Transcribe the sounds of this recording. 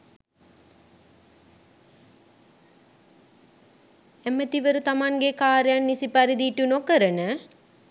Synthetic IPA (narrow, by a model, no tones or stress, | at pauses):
æmət̪iʋəɾut̪amaŋɡekaːɾejanːisipaɾid̪iʈunokəɾənə